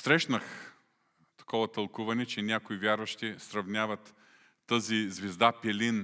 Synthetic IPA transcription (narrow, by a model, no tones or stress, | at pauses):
sɾɛʃnəx | t̪ɐ̥kɔvɐt̪ɐlˠkuvɐnɛt͡ʃɛnʲakoivʲjaɾvɐʃt̪isɾɐvnʲavɐt̪ː | əzizvɛzd̪apɛlʲin